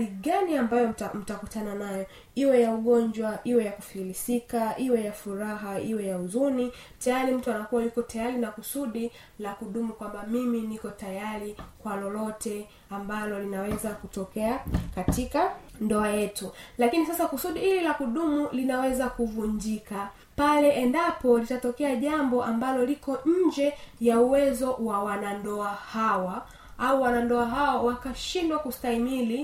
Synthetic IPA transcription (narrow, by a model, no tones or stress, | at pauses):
iɠaniambajɔm̩takutananajɔ | iwɛjauɠɔnd͡ʒwaʔiwɛjakufiilisikaʔiwɛjafuɾaɦaiwɛjauzuni | tajaɾim̩tuanakuwajukɔtajaɾinakusuɗi | lakuɗumukwambamiminikɔtajaɾikwalɔlɔtɛ | ambalɔlinawɛzakutɔkɛakatikandɔajɛtulakinis̬asakusuɗihilɛlakuɗumulinawɛzakuvuɲd͡ʒika | palɛʔɛndapɔlitatɔkɛaʄambɔʔambalɔlikɔɲ̩d͡ʒɛjauwɛzɔwawanandɔahawa | auwanandɔaɦawawakaʃindwakustaimili